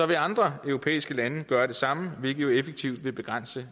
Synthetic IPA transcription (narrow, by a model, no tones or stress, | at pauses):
sɒ̽ʋe̝ɑ̈nd̥ʁɐœʊʁo̝pʰḛːisɡ̥əlænəɡ̥ɶːɐɾ̥e̝sɑ̈məʋelɡ̥ð̩joefeɡ̥̚t͡sʰiʊ̰d̥ʋe̝b̥e̝ɡ̥ʁɑn̰sə